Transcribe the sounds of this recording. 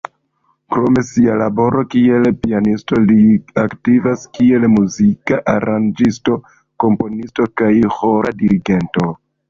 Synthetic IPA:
kɾo̞me̞sialabo̞ɾo̞kie̞lpianisto̞liaktivaskie̞lmuzikaʔaɾand͡ʒisto̞ | ko̞mpo̞nisto̞kajho̞ɾʔa̰diɾiɡe̞nto̞

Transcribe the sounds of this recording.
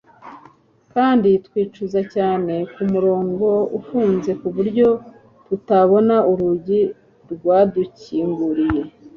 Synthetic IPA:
kaːnditkwiːt͡ʃuzacaːne̞kumuɾo̞ːŋɡo̞ufuːnze̞kuβuɾɟo̞ | tutaβo̞nauɾuɟi | ɾɡwaːduciːŋɡuɾije̞

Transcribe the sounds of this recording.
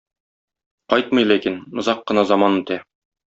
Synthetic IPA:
qɒjt̪̚mɤ̆jlækinŏzɑqːɤ̆nɑzɑmɑnut̪æ

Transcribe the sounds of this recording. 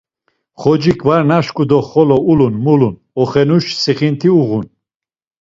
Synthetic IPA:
χɔd͡ʒikʰvaɾnaʃkʼud̪ɔχɔlɔulunmulun | ɔχɛnuʃsiχint̪ʰiuʁun

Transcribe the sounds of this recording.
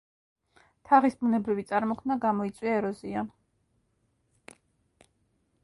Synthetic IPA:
t̪ʰaʁisbunɛbɾivit̪sʼaɾmɔkʰmnaɡamɔit̪sʼwiaɛɾɔziam

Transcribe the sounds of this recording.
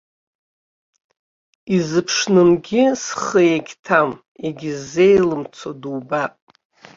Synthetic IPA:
izɨpʰʂnɨmɡʲɪsχəjeɡʲtʰam | eɡʲizːe̞jlɨmt͡sʷʰoduːbapʼ

